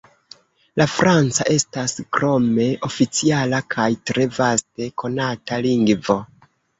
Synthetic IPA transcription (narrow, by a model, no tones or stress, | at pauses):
lafɾant͡saʔe̞staskɾo̞me̞ʔo̞fit͡sialakʰajtɾe̞vaste̞ko̞nataliŋɡvo̞